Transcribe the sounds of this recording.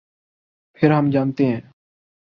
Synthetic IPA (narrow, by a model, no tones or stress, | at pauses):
pʰɪɾɦəmd͡ʒaːnt̪eːɦɛ̃ː